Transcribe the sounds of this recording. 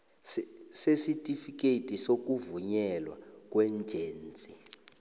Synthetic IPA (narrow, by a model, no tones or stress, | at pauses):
sesitʼifik̬ʼetʼisok̬ʼuvuɲɛlwa̰k̬ʼwɛnd͡ʒʱeːnt͡sʼi